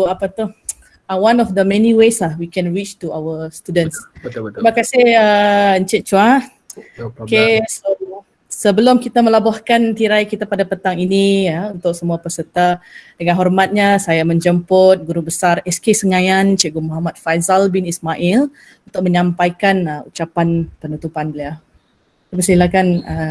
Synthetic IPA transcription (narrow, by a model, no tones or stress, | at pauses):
oapat̪uh | awanɔfd̪əmɛniweslahwikɛnɹit͡ʃt̪uawəst̪udənsibakasɪhəɲt͡ʃɪʔ̚t͡ʃua | keso | səbəlʊmkit̪aməlabahkant̪iɾaikit̪apadapət̪aŋiniəunt̪ʊksəmuapəsət̪adəŋanɦɔrmat̪̚ɲasajaməɲd͡ʒəmpʊt̪̚ɡuɾubəsarɛskesəŋajant͡ʃɛʔɡumɔɦamat̪̚fajzalbinismaʔil | unt̪ʊk̚məɲãmpajkanəut͡ʃapanpənut̪upanbəlia | abisilakanə